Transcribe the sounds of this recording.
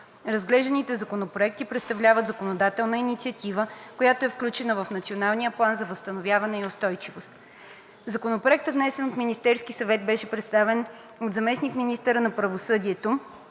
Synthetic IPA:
ɾɐzɡlɛʒd̪ɐnit̪ɛzɐkonopɾoɛk̚t̪ipɾɛt̪st̪ɐvlʲavət̪zɐəkonod̪at̪ɛlˠnəinit̪siɐt̪ivəkojat̪oɛfklʲut͡ʃɛnəvəfnɐt̪sionalˠnijəplˠanzɐvəst̪ɐnovʲjavɐnɛioʊst̪ɔjt͡ʃivost̪ | zɐkonopɾoɛk̚t̪ət̪vnɛsɛnot̪minist̪ɛɾskisɐvɛt̪̚bɛʃɛpɾɛt̪st̪avɛnod̪zɐmɛsnikminist̪əɾənɐpɾɐvosɤd̪iɛt̪o

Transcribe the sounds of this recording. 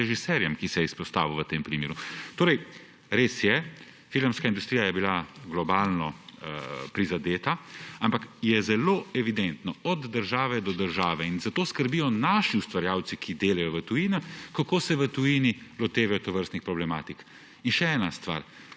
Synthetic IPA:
ɛʒisɛɾjɛmkisɛispɔst̪a̰ːʋuʋət̪eːmpɾimḛːɾut̪oːɾɛj | ɾesjɛ | filəmskaind̪ust̪ɾijajɛbilaɡlɔbaːlnɔ | pɾizad̪eːt̪aampakjɛzɛloːɛʋid̪ɛnt̪nɔɔd̪ːəɾʒaːʋɛd̪ɔd̪əɾʒaːʋɛinzat̪oːskəɾbijɔnaːʃiust̪ʋaɾjaːwt̪sikʰid̪eːlajɔʋət̪ujiːnakakoːsɛʋət̪ujinilɔt̪eːʋɛjɔt̪ɔʋəɾst̪nixpɾɔblɛmaːt̪ik | inʃɛɛːnast̪ʋa̰ːɾ

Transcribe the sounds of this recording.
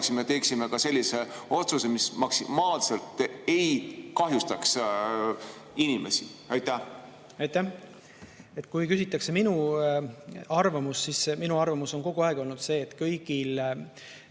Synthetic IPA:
ksimet̪e̞ːksimekɑse̞lʲːise̞o̞t̪suse̞mismɑksimɑːlselt̪ejkɑɦjust̪ɑks | inimḛsiɑjt̪æh | ɑjt̪æh | e̞t̪ːˑkujkysʲit̪ːˑɑkse̞minu | ɑrvɑmusːisminuɑrvɑmuso̞nko̞ɡ̥uɑeɡ̥o̞lnud̪se̞ːt̪kɤjɡ̥il

